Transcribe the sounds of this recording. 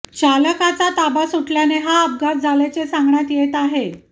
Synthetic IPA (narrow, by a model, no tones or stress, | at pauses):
t͡ɕaləkat͡sat̪abasuʈljaneɦaəp̚ɡasd͡zʱalat͡sesãŋɡɳjat̪jet̪aɦe